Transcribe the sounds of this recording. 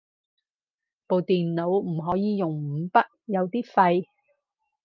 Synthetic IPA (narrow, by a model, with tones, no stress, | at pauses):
po˨wt̪iː˨nːo˨˧wm̩˨˩ɦɔː˨˥jiː˨˧jʊ˨˩ŋm̩˨˧˥pɐ˥t̚jɐ˨˧wt̪iː˥fɐ˧j